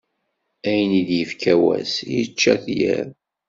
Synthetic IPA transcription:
æjəniðjəfkʰæwæ̰sjət͡ʃːæθjæɾ

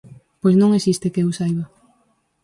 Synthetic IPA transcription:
pojsnõŋesist̪ekeewsajβa

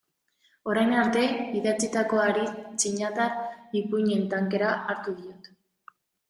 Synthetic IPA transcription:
o̞ɾajnaɾt̪e̞iðat͡sit̪ako̞aɾit͡ʃiɲat̪aripuɲe̞nt̪aŋke̞ɾaaɾt̪uðio̞t̪

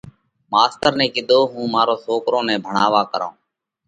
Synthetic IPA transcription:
maːst̪əɾnɛ̃ːkɪd̪ʱoːɦũːmaːɾoːsoːkɾõːnɛ̃ːbʱəɳaːʋaːkəɾõ̰ː

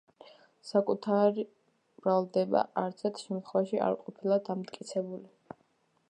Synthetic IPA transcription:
sakʼut̪ʰaɾi | b̥ɾalˠd̪ɛba̰aɾt̪sʰɛɾt̪ʰʃɛmt̪ʰχwɛvaʃia̰ɾqʼɔpʰilˠad̪amt̪ʼkʼit̪sʰɛbuli

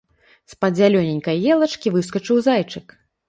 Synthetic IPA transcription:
spɐd͡zʲalʲɔnʲɛnʲkɐjjɛlˠɐt͡ʂkʲivɨs̬kɐt͡ʂɨwzajt͡ʂɨk

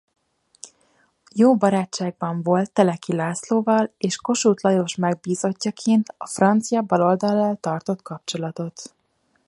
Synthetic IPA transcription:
joːbɒɾaːt͡ʃt͡ʃːaːɡ̚bɒɱvo̞lt̪ːɛlɛkilaːsloːvɒleːʃko̞ʃuːt̪lɒjo̞ʃmɛɡ̚biːzo̞cːɒkʰeːnt̪ɒfrɒnt̪sijɒbɒlo̞ld̪ɒlːaːlt̪ɒrt̪o̞t̪kɒp̚t͡ʃo̞lɒt̪o̞t̪

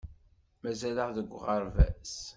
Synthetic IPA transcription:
mæzæləʁðəɡʷːʁəɾvæ̰s

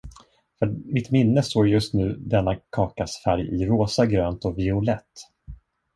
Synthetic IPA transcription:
fœmɪt̪mɪnːəst̪oːɾjɵst̪nʉ̟ːd̪ɛnːakʰɑːkasfæɾjɪɾoːsaɡɾøːnt̪ɔvɪʊlɛt̪ː

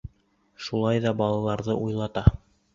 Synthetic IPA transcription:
ʃulˠɑjðɑbɑlˠɑlˠɑɾðɤʔujlˠɑt̪ɑ

